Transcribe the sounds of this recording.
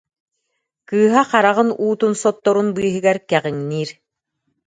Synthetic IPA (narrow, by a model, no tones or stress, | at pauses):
kɯːɦaqaɾaʁɯnuːt̪unsɔt̪ːɔɾunbɯːɦɯ̆ɡɛɾkɛʁiŋniːɾ